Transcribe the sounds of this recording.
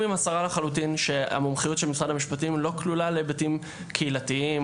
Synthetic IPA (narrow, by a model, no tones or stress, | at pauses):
mimasaʁalaχalut̬inʃe̞a̰momχijutʃelmisʁadamiʃpatimlo̞klulalebetim | kʰeilatiim